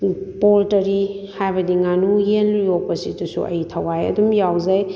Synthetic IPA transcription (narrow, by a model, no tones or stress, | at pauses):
poltɐɾi | hajbɐdiŋanujenɾijopɐsitusṵʔɐ̰jtʰawajɐ̰dumjawzaj